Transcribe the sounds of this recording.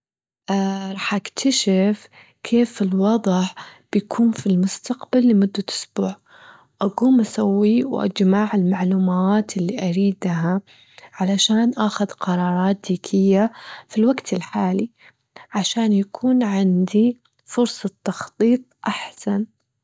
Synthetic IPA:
ʔɾˤɑːħʔakt̪ʰaʃɪf | kʰeːfɪlwɑðˤħb̥ɪjakʰuːnfilmʊst̪aqbalːɪmʊd̪ːaʔʊ̥sbuːʕ | ʔaɡuːmʔasawːiwʔa̰d͡ʒmaːʕɪlmaʕluːmaːt̪ɪlːiʔaɾiːd̪ɦa | ʕalaʃaːnʔaxʊðqɑɾˤɑːɾˤɑːt̪̚d̪iːkʰɪjːafilwaɡt̪ʰɪlħaːli | ʕaʃaːnjakʰuːnʕɪnd̪i | fʊɾsˤɑt̪ːɑxt̪ˤiːt̪̚ˤʔaħsan

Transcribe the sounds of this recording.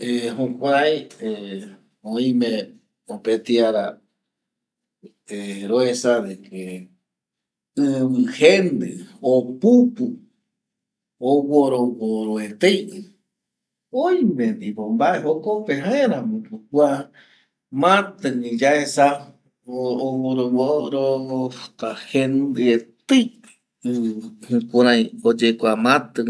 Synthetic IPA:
ehokʷaaje | õĩmẽ | opet̪iaɾa | eɾoesad̪ekʰe | ɨβɨhend̪ɨopupu | owoɾooɾoet̪ej | ojmẽnd̪ipombaʔeɦokopeɦãeɾãmũpukwa | mãt̪ɨɲĩd͡ʒaesa | βoɾoβoɾo̥k̪ahend̪ɨet̪ɨj | ɨhɨ̃kuɾãj̃od͡ʒekʷamãt̪ɨ

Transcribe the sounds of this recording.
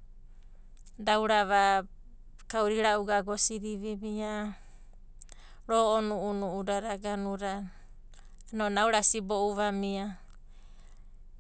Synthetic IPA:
dawɾaβa | kawɾiɾauɡaɡosiɾiβiβia | ɾoonuunuudaɾaɡanuɾa | nonawɾasibouβamia

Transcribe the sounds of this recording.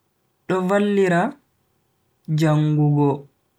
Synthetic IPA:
ɗɔvalːiɾa | d͡ʒaŋɡuɡɔ

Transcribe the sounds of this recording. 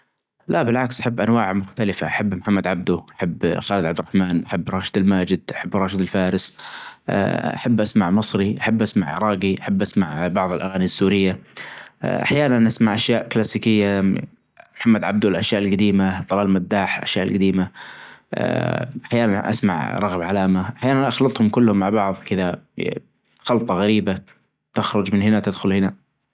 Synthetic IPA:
laʔbɪlʕaksʔaħabːʔanwaːʕmʊxt̪alɪfaʔaħabːmħamːad̪ʕab̚d̪uʔaħabːxaːlɪd̪ʕabd̪ɪɾˤɑħmaːnʔaħabːɾˤɑːʃɪd̪ɪlmaːd͡ʒɪd̪ʔaħabːɾˤɑːʃɪd̪ɪlfaːɾɪsʔʔa̰ħabːʔasmaʕmɨsˤɾiʔaħabːʔasma̰ʕʔɾˤɑːɡiʔaħabːʔasmaʕbɑʕðˤɪlʔaɣaːnisːuːɾɪjːa | ʔa̰ħjaːnanʔasmaʕʔaʃjaːʔklaːsiːkɪjːa | mħamːad̪ʕab̚d̪ulʔaʃjaːʔɪlɡad̪iːmaðˤɑlaːlmadd̪ːaːħlʔa̰ʃjaːʔɪ̰lɡad̪iːmaʔʔaħjaːnannʔa̰smaʕɾˤɑɣbʕalaːmaʔaħjaːnanʔɑxlɑt̪ˤhʊmkʊlːhʊmːaʕbɑʕðˤkɪða | xɑlt̪ˤɑɣaɾiːba | t̪ɪxɾˤʊd͡ʒmɪnhɪnat̪ɪd̪xʊlhɪna

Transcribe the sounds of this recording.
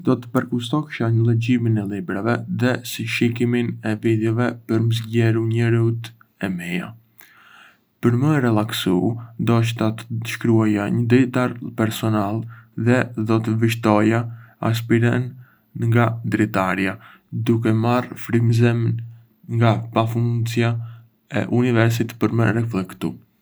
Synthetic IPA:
d̪ɔt̪ə̥pəɾkust̪ɔkʃaɲəlɛɟiminɛlibɾavɛðɛsiʃikiminɛvid̪jɛvɛpəɾməzɟɛɾuɲɛɾut̪ | ɛmɛja̰ | pəɾməɾɛlˠaksund̪ɔʃ̬t̪at̪ə̥d̪əʃkɾuajaɲəd̪ɛjt̪aɾpɛɾsɔnalˠðɛðɔt̪̬əviʃt̪ɔjaa̰s̬piɾɛn | ŋɡad̪ɾɛt̪aɾja | d̪uk̬ɛmarfɾimzɛm | ŋɡapafunsja | ɛ̰ʔunivɛɾs̬it̪pəɾmə̰ɾɛflɛkt̪u

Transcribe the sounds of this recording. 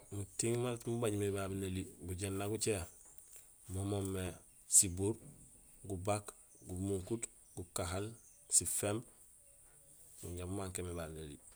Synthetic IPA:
mutiŋmaltmubaɲmebabinalibuɟenːaɡut͡ʃe | momomːe | sibuɾɡubak | ɡumuŋkut | ɡukaɦalsifemb | muɲɟamumaŋkemebaːbinalḭ

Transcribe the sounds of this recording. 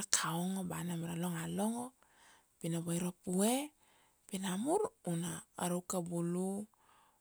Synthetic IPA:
akʰaoŋobanamaɾalo̞ŋalo̞ŋo | pinaβajɾopue | pinamuɾunaːɾowkabulu

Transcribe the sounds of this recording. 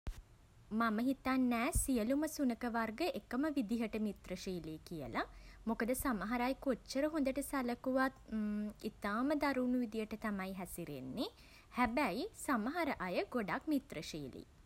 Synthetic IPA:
maməɦit̪anːɛːsijəluməsunəkəʋarɡəʔekəməʋid̪iɦəʈəmit̪rəʃiːlikijə̰lamokəd̪əsaməɦaɾajkot͡ʃt͡ʃːəɾəɦũnd̪əʈəsæləkuʋat̪it̪aːməd̪aɾuːnuʋid̪ijəʈət̪amajɦæsiɾḛnːe | hæbæjsaməɦaɾəʔajəɡoɖakmit̪rəʃḭːlḭ

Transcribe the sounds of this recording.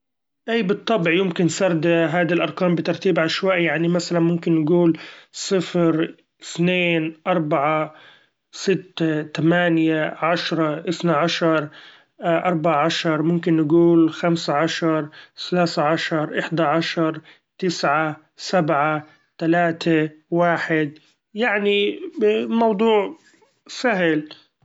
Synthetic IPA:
ʔaːbɨt̪ˤːɑbʕjʊmkɪnsɑɾˤd̪ɦaːd̪ilʔɑɾˤkaːmbɪt̪ɑɾˤt̪iːbʕaʃwaːʔjaʕnimasalanmʊmkɪnːɪɡuːlsˤɨfɾ | ɪθneːnʔɑɾˤbaʕa | sɪt̪ːat̪amaːnjaʕaʃɾˤɑʔɪθnaʕaʃɑɾˤ | ʔɑɾˤbaʕaʕaʃɑɾˤmʊmkɪnːɪɡuːlxamsaʕaʃɑɾˤθalaːθaʕaʃɑɾˤʔɪħd̪aʕaʃɑɾˤ | t̪ɪsʕa | sabʕa | t̪alaːt̪ʰawaːħɪd̪̚ | jaʕni | mɑwd̪ˤuːʕ | saɦl

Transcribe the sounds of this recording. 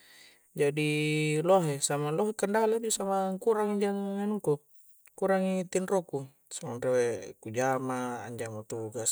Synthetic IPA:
d͡ʒadilɔɦesamalɔɦekandaalabusamaŋkuɾaŋid͡ʒaŋːanuko | kuɾaŋit̪inroku | samanrewekud͡ʒama̰ːɲd͡ʒamat̪uɡas

